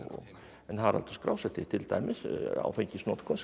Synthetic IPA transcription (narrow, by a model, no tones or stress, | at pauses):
ɔ | ɛnɦaɾa̰lt̪ɔskɾa̰wsɛt̪ʰɪt̪ʰɪlt̪ʰajmɪsa̰wfeɲcɪsnɔt̪kʰɔns